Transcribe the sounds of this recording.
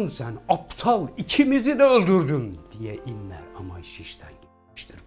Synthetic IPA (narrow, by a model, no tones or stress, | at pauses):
nsænɑpt̪ʰɑlˠicʰimizid̪ɛølʲd̪yɾd̪ynd̪̥ijɛʔinːæ̰ɾɑmɑjʃiʃt̪ʰæ̰nɟit̪ | ʃt̪ʰiɾ